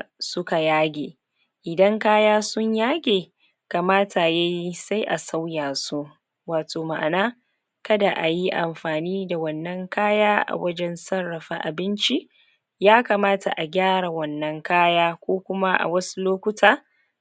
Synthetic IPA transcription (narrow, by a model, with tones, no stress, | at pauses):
sʊ˦ka˨jaː˦ɡʲeː˨ | ʔɪ˨dɐ˦ŋkaː˦jaː˦sʊ˦ɲjaː˦ɡʲeː˨ | kaː˨maː˦tʰa˨ja˦ji˦sa˦jʔa˨sa˦wjaː˨su˦ | waː˨toː˨ma̰˨ʔa̰˨naː˦ | kɐ˦da˨ʔa˨ji˦ʔa̰˨mɸaː˨niː˦da˨wɐ˦nːɐ˦ŋkaː˦jaː˦ʔa̰˨wɐ˦d͡ʒɛ˦nsɐ˦rːɐ˨ɸa˦˨ʔa˨bɪ˦nt͡ʃi˦ | jaː˦ka˨maː˦ta̰˨ʔa˨ɡʲaː˦ɽa˨wɐ˦nːɐ˦ŋkaː˦jaː˦kʷoː˦kʷʊ˦ma˦ʔa̰˨wɐ˦su˦loː˦kʷʊ˦tʰaː˨